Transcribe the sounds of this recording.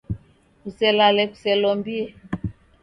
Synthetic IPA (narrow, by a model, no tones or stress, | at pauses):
kusɛlalɛku̥sɛlɔmbiɛ